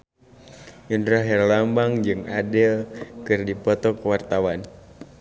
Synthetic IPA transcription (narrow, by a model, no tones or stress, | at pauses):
undɾaɦɛrlambaŋd͡ʒɨŋadɛkɨrdipɔt̪ɔkəwart̪awan